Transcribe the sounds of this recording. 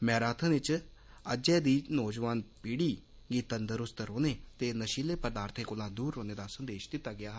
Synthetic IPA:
mɛːɾaːt̪ʰə̃nɪt͡ʃ | əd͡ʒɛːd̪iːnɔːd͡ʒʋaːnpiːɽiː | ɡiːt̪ənd̪əɾʊst̪əɾɦoːneːt̪eːnəʃileːpəd̪aːɾt̪ʰeːkʊlãːd̪uːɾɦoːneːd̪aːsənd̪eːʃd̪ɪt̪ːaːɡɪjaː

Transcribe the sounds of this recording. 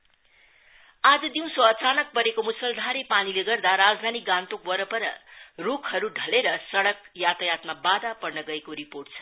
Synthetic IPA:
ad͡zʌd̪iw̃soʌt͡sanʌk̚pʌɾekomusʌld̪ʱaɾepanileɡʌrd̪aɾad͡zd̪ʱanikɡãnt̪ok̚wʌɾʌpʌɾʌ̰rukʰhʌɾuɖʱʌleɾʌsʌɽʌkjat̪ajat̪mabad̪apʌrnʌɡʌekoɾiporʈ̚t͡sʰʌ̥

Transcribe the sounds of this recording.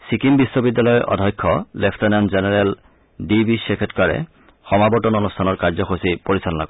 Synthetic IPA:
sikimbisːɔbidːalɔjɔʔɔ̰dʱɔjkʰːɔlepʰtɔnɛnzenɛɹɛl | dibisekʰetkaɹɛ̰ | xɔmabɔtɔnonustʰanɔɹkaɹzɔxosipoɹisalna̰ɡɔ

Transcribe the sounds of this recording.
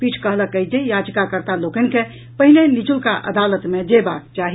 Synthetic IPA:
pit͡ʃʰkəɦləkːəid͡ʒejad͡ʒkakəɾt̪alokənke | pəɦilenit͡ʃulkaʔə̰d̪alət̪med͡ʒebak̚t͡ʃaɦi

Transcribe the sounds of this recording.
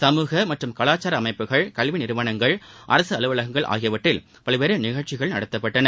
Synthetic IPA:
sɐmuːɣɐmɐʈrɯmkɐɭaːt͡ʃːaːɾɐɐmɐɪpːɯɣɐɭkɐɭʋɪnɪɾɯʋaːnɐŋɡɐɭʔɐ̰ɾɐsɯɐlɯʋɐɭɐɣɐŋɡɐɭʔa̰ːɣɪjɐʋɐʈːɪl | pɐɭɐʋeɾɯnɪɣɐɭt͡ʃɪɣɐɭnɐɽɐt̪ːɐpːɐʈːɐnɐ

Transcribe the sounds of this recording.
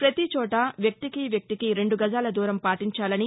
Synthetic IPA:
pɾɐt̪it͡ʃɔːʈɐʋjɐk̚t̪ikiʋjɐk̚t̪ikiɾe̞ɳɖuɡɐd͡ʒaːlɐd̪uːɾɐmpaːʈiɲt͡ʃaːlɐni

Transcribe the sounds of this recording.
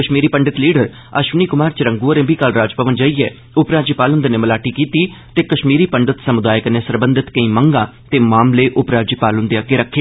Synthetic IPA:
kəʃmiːɾiːpəɳɖɪt̪liːɖəɾ | əʃʋniːkʊmaːɾt͡ʃɾə̃ŋɡuəɾẽːbiːkəlɾaːd͡ʒpəʋənd͡ʒaːiːɛː | ʊpɾaːd͡ʒipaːlʊnd̪eneːməlaːʈiːkiːt̪iːt̪eːkəʃmiːɾiːpəɳɖɪt̪səmʊd̪aːjɪəkneːsəɾbənd̪ɪt̪kə̃ĩːməŋɡãːt̪eːmaːmleːʔʊpɾaːd͡ʒipaːlʊ̃nd̪eaːkeɾəkʰːeː

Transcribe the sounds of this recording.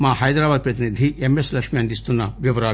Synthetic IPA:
maːhɐjd̪ɾaːbaːd̪̚pɾɐt̪inid̪ʱiemeslɐkʂmiɐnd̪ist̪unːɐʋiʋɐɾaː

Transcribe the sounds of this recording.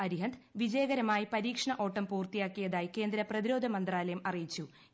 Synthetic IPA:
ɐɾiɦɐnd̪ʋid͡ʑɐjɐɣɐɾɐmaːjipɐɾiːkʂɐɳɐʔo̞ːʈːɐmpuːrt̪ijaːkːijɐðaːjike̞ːnd̪ɾɐprɐðiɾo̞ːd̪ʱɐmɐnd̪raːlɐjɐmɐrijit͡ɕːu

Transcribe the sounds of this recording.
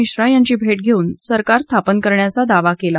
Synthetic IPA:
iɕɾajaɲt͡ɕiːbʱeʈɡʱeuːnsəɾkaɾst̪ʰapənkəɾɳjat͡sad̪aʋakela

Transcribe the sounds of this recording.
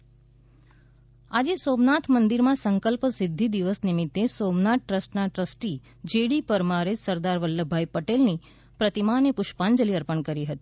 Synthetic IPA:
ad͡ʒesomnat̪ʰmənd̪iɾmãsəŋkəlpsɪd̪ʱːid̪iʋəsnimɪt̪ːesomnat̪̚ʈɾəsʈnaʈɾəsʈi | d͡ʒeɽipəɾmaɾesəɾd̪aɾʋəlːəbʱːaipəʈelni | pɾət̪imanepʊʃpand͡ʒəliəɾpəɳkəɾiɦət̪i̥

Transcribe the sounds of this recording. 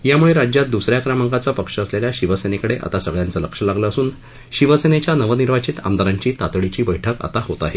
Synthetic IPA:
jamuɭeɾad͡ʑjat̪̚d̪usɾjakɾamaŋkat͡sapəkʂəəsleljaɕiʋəsenekəɽeʔa̰t̪asəɡɭjant͡sələkʂəlaɡləəsuːn | ɕiʋəsenet͡ɕjanəʋəniɾʋat͡ɕit̪a̰md̪aɾaɲt͡ɕiːt̪at̪ɭit͡ɕiːbəjʈʰəka̰t̪aɦot̪aɦe

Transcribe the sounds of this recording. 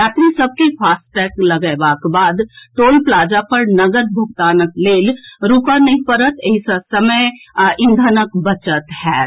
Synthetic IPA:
jaːt̪ɾisəb̚kepʰaːsʈʈɛːklɐɡəʋaːkbaːd̪t̪oːlplaːd͡ʒapəɾnɐɡəɾbʱʊɡ̚t̪aːnəkleːlɾuːkanɐɦĩpəɾət̪eɦisəsəməjɪ̃nd̪ʱənəkbət͡ʃət̪hɛː

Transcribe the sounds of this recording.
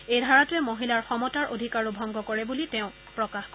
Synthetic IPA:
ejdʱaɹatʊɛmoɦilaɹxɔmɔtaɹʔodʱikaɹubʱɔŋɡɔkɔɹɛbulitɛ̃ʊ̃ | pɹɔkaxk

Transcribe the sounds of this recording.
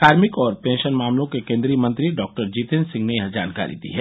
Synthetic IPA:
kaːɾmɪkɔːɾpẽːnʃənmaːmlõkekẽːnd̪ɾimɐ̃nt̪ɾiɖɔːk̚ʈəɾd͡ʒiːt̪ensɪ̃ŋɡnejɐɦd͡ʒa̰ːnka̰ːɾḭd̪ḭɦɛː

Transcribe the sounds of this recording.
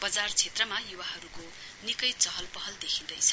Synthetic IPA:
b̥ʌd͡zart͡sʰet̪rʌmajuwaɦʌɾuko | nikʌjt͡sʌɦʌlpʌɦʌld̪ekʰĩnd̪ʌjt͡sʰʌ̥

